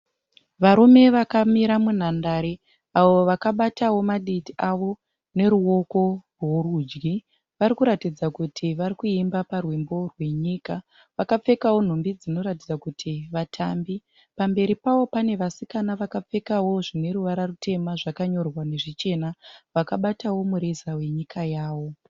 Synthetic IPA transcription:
ʋaɾume̞ʋakamiɾamun̤andaɾe | aʋo̞ʋakaɓatawo̞maɗitiʔaʋo̞ | ne̞ɾuo̞ko̞rorud͡ʒɡi | ʋaɾikuɾatid͡zakutʰiʋaɾikuimbaparwembo̞rwe̞ɲiːka | ʋakap͡fe̞kawo̞n̤o̞mbid͡zino̞ɾatid͡zakutʰiʋatʰaːmbi | pambe̞ɾipawo̞pane̞ʋasikanaʋakap͡fe̞kawo̞ʐine̞ɾuʋaɾarute̞maʐakaɲo̞rwane̞ʐit͡ʃe̞naʋakaɓatawo̞muɾezawe̞ɲikʰajaːwo̞

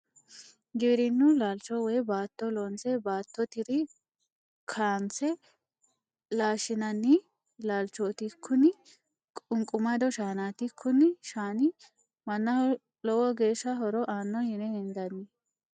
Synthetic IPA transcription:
ɡɪbɾɪnːʊlaːlt͡ʃɔwɛjbaːt̪ːɔlɔnt͡sɛbaːt̪ːɔt̪ɪɾɪ | kʰaːnt͡sɛ | laːʃɪnɐnːɪ | laːlt͡ʃːoːt̪ɪkʰːʊnɪ | kʼʊŋkʼʊmɐd̪ɔʃaːnaːt̪ɪkʰːʊnːɪʃaːnɪ | mɐnːɐ | lɔwɔɡe̞ːʃːɐɦɔɾɔʔaːnːɔhɪnɛhɛnd̪ɐnːɪ

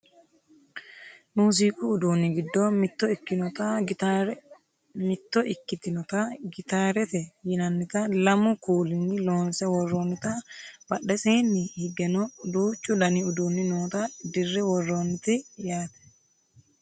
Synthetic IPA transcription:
muːs̬iːkʼʊːd̪uːnːɪɡɪd̪ːɔmɪt̪ːɔɪkːɪnɔt̪ɐɾ | mɪt̪ːɔʔɪkːɪt̪ɪnɔt̪ɐɡɪt̪aːɾɛt̪ɛjɪnɐnːɪt̪ɐlɐmʊkuːlɪnːɪloːnsɐwɔrːoːnːɪt̪ɐbɐɗɛseːnːɪhɪɡɛnɔd̪uːt͡ʃʼːʊdɐnɪʊd̪uːnːɪnoːt̪ɐd̪ɪrːɛwɔrːoːnːɪt̪ɪjaːt̪ɛ̥

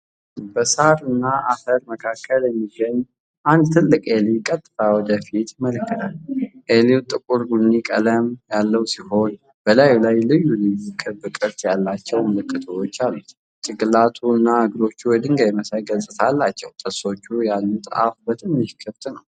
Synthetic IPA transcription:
bəsaɾɨnːaʔafəɾməkʰakʰːəljɛmːiɡəɲː | ʔand̪t̪ʰɨlːɨkʼelikʼːət̪ʼːfawɔd̪əfit̪mələkːɨt̪ʰalʔeliwt̪ʼɨkʼuɾɡunːikʼələmjalːəwsiho̞n | b̥əlajulajlɨjːulɨjukʰʼɨbɨkʼɨɾt̪jalːat͡ʃːɛwməlɨkʼːɨt̪ʰoot͡ʃːalːu | t͡ʃ̪ʼɨɡɨlat̪ʰuɨnːaɨɡɾo̞t͡ʃːuwɔd̪ɨŋɡajməsajɡəsʼɨt̪ʰalːat͡ʃːɛ̰wt̪ʼɨso̞t͡ʃːujalːut̪ʼɨ̰ʔa̰fbət̪ʰɨnːɨkʰɨft̪ʼnəw

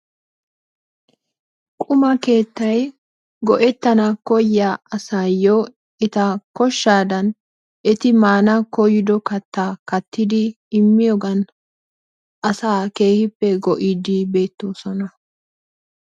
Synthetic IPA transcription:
kʼʊmɐke̞ːt̪ːɐj | ɡɔʔɛt̪ːɐnɐkɔjːaɐsajo | ɛt̪ɐkɔʃːaːd̪ɐn | ʔɛt̪ɪmaːnɐkɔjɪd̪ɔkɐt̪ːaːkɐt̪ːɪd̪ɪː | mːɪjɔɡɐn | ʔɐsaːke̞ːhɪpːɛɡɔʔɪd̪ɪbe̞ːt̪ːoːsɔnɐ

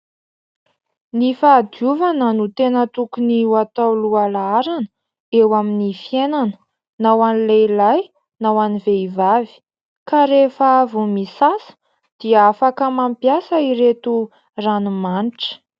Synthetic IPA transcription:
nifaːd̪iuvanənut̪enət̪ukuniwat̪awlualaaɾan | ewaminifienanə̥ | nawanilelaj | nawaniveivavi̥ | kaɾefəvumisasə̥ | d̪̥iaafakəmampjasəiɾet̪u | ranumanʈ͡ʂə̥

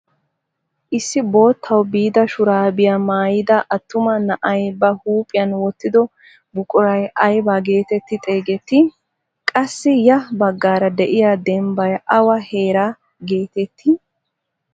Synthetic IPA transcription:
ʔɪsːɪbo̞ːt̪ʰːɐwbiːd̪ɐʃʊɾaːbɪjamaːjɪd̪ɐʔɐt̪ːʊmɐnɐʔɐjbɐhuːpʼɪjɐnwɔt̪ːɪd̪ɔ | bʊkʼʊɾɐjʔɐjbaɡe̞ːt̪ɛt̪ːɪt̪ʼe̞ːɡɛt̪ːɪ | kʼɐsːɪjɐbɐɡːaːɾɐd̪ɛʔɪjaːd̪ɛmbɐjʔɐwɐhe̞ːɾa | ɡe̞ːt̪ɛt̪ːɪ

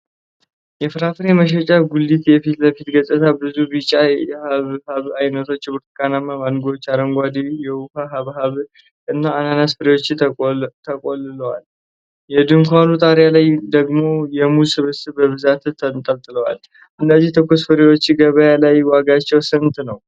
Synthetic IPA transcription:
jɛfɨɾafɨɾeməʃ̬ɛt͡ʃʼaɡulːit̪jɛfit̪ləfit̪ɡət͡ʃʼət̪ʰabɨzubɨt͡ʃʼaɛhaβhaβajnət̪ʰo̞t͡ʃːbɨɾt̪kʰʼanamamanɡoot͡ʃːaɾəŋɡʷad̪ijɛwufaɦaβɦaβ | ɨnːaːnanasfɨɾewo̞t͡ʃːt̪ʰəkʼolɨləwal | jɛd̪ɨmkʰʷanut̪ʼaɾjalajd̪əɡmo̞jɛmusɨβɨst̪ɨbəβɨzat̪t̪ʰːənt̪ʼəlt̪ʼɨləwa̰l | ʔɨnːəzːiht̪ʰɨkːosfɨɾewo̞t͡ʃːɡəβəjalajwaɡat͡ʃːɛwsɨnt̪nəw

